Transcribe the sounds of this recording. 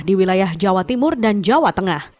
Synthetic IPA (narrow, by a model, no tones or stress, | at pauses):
hdiwilajahd͡ʒawat̪imʊrdand͡ʒawat̪əŋah